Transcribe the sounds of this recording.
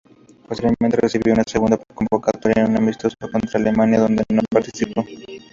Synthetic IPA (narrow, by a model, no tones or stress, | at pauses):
post̪iɾjeme̞nt̪eresiβjounaseɣund̪apoko̞mbokat̪oɾjaenunamist̪o̞sako̞nt̪ɾaːle̞manjaðo̞nd̪enopaɾt̪isipo̞